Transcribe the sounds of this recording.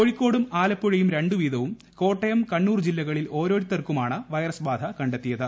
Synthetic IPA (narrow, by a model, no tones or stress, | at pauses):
koɻikʲːo̞ːɽumaːlɐpːuɻɐjumɾe̞ɳɖuʋiːðɐʋum | ko̞ːʈːɐjɐmkɐɳːuːrd͡ʑilːɐɣɐɭilo̞ːɾo̞ːɾit̪ːɐrkumaːɳɨʋɐjɐrɐsbaːd̪ʱɐkɐɳɖet̪ːijɐðɨ